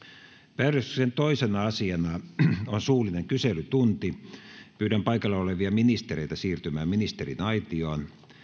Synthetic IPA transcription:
pæːrøst̪y̥sent̪oisenɑɑsiɑnɑonsuːlˑineŋkyselyt̪unt̪ipyːɾæmpɑikɑlːeoleʋiɑminist̪eɾeit̪æsiːrt̪ymæːminist̪erḭnɑit̪ioːn

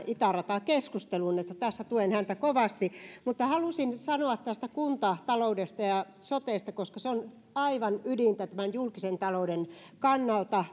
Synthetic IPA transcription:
ʔit̪ærɑt̪ɑkeskust̪elunet̪ːæt̪æsːæt̪uenhænt̪ækoʋɑst̪imut̪ːɑhɑlusinsɑnoɑt̪tæst̪ækunt̪ɑt̪ɑloudest̪ɑjɑ | sot̪eˑːst̪ɑkoskɑseon | ɑiʋɑnydint̪æt̪æmænjulkisent̪ɑlouden | kɑnːɑlt̪ɑ

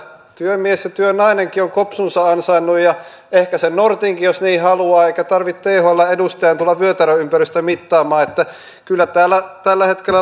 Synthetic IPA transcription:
t̪yømiesjɑt̪yønɑineŋkioŋkopsunsɑɑnsɑinːujjɑ | ehkæsennort̪iːŋkijosniːhɑluɑːeikæt̪ɑrʋit̪t̪eːhoilːɑedust̪eænt̪ulːɑʋʋyøt̪æɾøympæryst̪æmit̪ːɑːmɑːet̪ːæ | kylːæt̪æːlːæt̪ælːæhet̪kelːæ

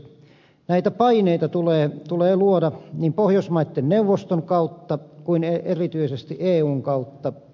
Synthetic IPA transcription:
næit̪æpɑineit̪ɑt̪uleːt̪uleːluodɑniːmpohjosmɑit̪ːenneuʋːost̪oŋkɑut̪ːɑkuineerit̪yisest̪iʔeːuːŋkɑut̪ːɑ

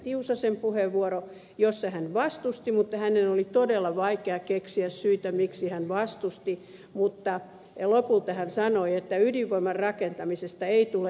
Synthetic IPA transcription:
t̪iusɑsempuheʋʋuoɾo | josːɑhænʋɑst̪ust̪imut̪ːɑhænenolit̪odelːɑʋɑikeɑkeksiæssyit̪æmiksihænʋɑst̪ust̪i | mut̪ːɑ | lopult̪ɑhænsɑnoiet̪ːæydiʋʋoimɑrrɑkent̪ɑmisest̪ɑeit̪ule

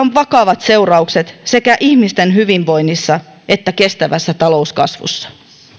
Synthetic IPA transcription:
oʋʋɑkɑʋɑt̪se̞urɑukset̪sekæʔihmist̪enɦyʋiʋʋo̞inːisːɑ | ʔe̞t̪ːæke̞st̪æʋæsːæt̪ɑlo̞uskɑ̰sʋṵsːɑ̥

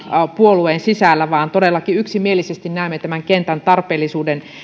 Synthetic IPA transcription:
puolueːnsisæˑlːæʋɑːnt̪odelːɑkiyksimielisest̪innæˑymːet̪æmæŋkent̪ænt̪ɑrpeːlːisuːden

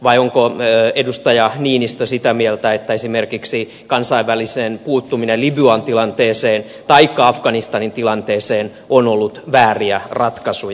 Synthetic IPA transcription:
ʋɑjoŋkoøedust̪ɑjɑniːnist̪osit̪æmielt̪æet̪ːæesimerkiksi | kɑnsɑiʋʋælisenpuːt̪ːuminelibyɑnt̪ilɑnt̪eːseːn | t̪ɑikːɑɑfɡ̥ɑnist̪ɑnint̪ilɑnt̪eːseːn | onolːut̪ʋæːriærɑt̪kɑsuj

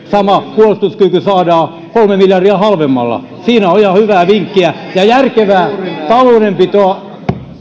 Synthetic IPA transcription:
sɑmɑkuolst̪uskykysɑːdɑː | kolmemiljɑrdiæhɑlʋemːɑ̰lːɑ̰ | siːnæoihɑhyʋæːʋiŋkːiæjɑjærkeʋæːt̪ɑloːnempit̪oɑ

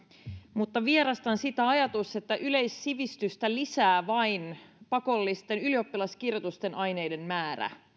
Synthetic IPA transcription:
mut̪ːɑʋieɾɑst̪ɑnsit̪æɑjɑt̪use̞t̪ːæʔyle̞jsːiʋist̪yst̪ælisæːʋɑinpɑko̞lːist̪e̞nylio̞pːilɑskirjot̪ust̪e̞nʔɑjne̞jde̞nmæːɾæ̰

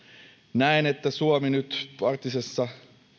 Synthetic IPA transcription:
næinet̪ːæsuominyt̪pɑrt̪ːisesːɑ

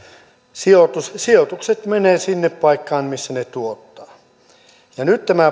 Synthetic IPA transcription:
siot̪usiot̪ukset̪meneːsinːeppɑikːɑːnmisːænet̪uot̪ːɑː | jɑnyt̪t̪æmæ

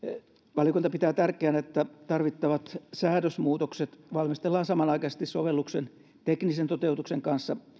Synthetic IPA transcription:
ʋɑljŏkunt̪ɑpit̪æːt̪ærkeænet̪ːæt̪ɑrʋit̪ːɑʋɑt̪sæːɾøsmuːt̪okset̪ʋɑlmist̪elːɑːnsɑmɑnɑikɑsest̪issoʋelːuksen | t̪eknisent̪ot̪eut̪ukseŋkɑnsːɑ

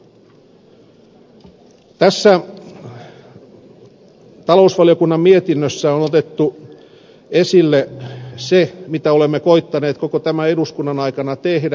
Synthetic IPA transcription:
t̪æsːæ | t̪ɑlo̞usʋɑliokunːɑmmiet̪inːøsːæonot̪et̪ːu | esilːesemit̪æolemːekoit̪ːɑneːt̪kokot̪æmæeduskunːɑnɑikɑnɑt̪ehdæ

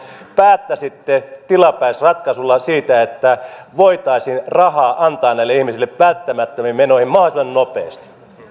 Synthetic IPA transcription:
pæːt̪ːæsit̪ːet̪ilɑpæisrɑt̪kɑsulːɑsiːt̪æet̪ːæʋoit̪ɑisinrɑhɑːʔɑnt̪ɑːnnæilːeihmisilːepʋælt̪ːæmæt̪ːømimmenohimmɑhismɑnnopḛˑːst̪i̥

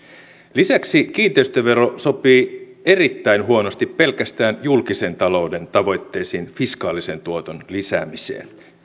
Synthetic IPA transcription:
lisæksik̟iːnt̪eyst̪øʋe̞ɾo̞so̞piːe̞rit̪ːæinɦuo̞no̞st̪ippe̞lkæst̪æːnjulkise̞nt̪ɑlo̞wde̞nt̪ɑʋo̞jt̪ːe̞jsiːnfiskɑːlise̞nt̪uot̪onlisæ̰ːmisḛːn

